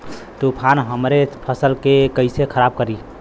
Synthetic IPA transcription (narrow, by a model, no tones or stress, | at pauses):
t̪opʰanɦəmɾepʰəsəlkekəɪsekʰəɾab̚kəɾi